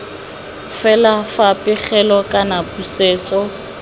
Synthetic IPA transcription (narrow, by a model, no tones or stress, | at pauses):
fɛlafapʼɪχɛlɔkʼanapʼuseːt͡sʼɔ